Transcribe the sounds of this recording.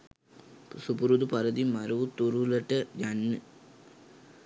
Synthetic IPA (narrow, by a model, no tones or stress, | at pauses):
supuɾud̪upɐɾɐd̪imɐɾɐʋut̪uɾulɐʈːɐjɐnːɨ